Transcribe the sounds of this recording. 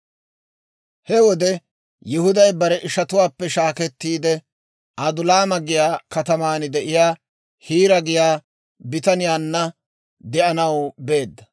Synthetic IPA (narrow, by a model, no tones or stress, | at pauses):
hɛwɔd̪ɛ | jɪhʊd̪ɐjbɐɾɛʔɪʃɐt̪ʊwaːpːɛʃaːkɛt̪ːiːd̪ɛ | ʔɐd̪ʊlaːmɐɡɪjaːkɐt̪ɐmaːnɪd̪ɛʔɪjaː | hiːɾɐɡɪjaː | bɪt̪ɐnɪjaːnːɐ | d̪ɛʔɐnɐwbe̞ːd̪ːɐ